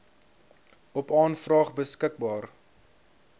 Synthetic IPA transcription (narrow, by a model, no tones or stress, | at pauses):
ɔpɑːnfrɑːχbəskək̚bɑːr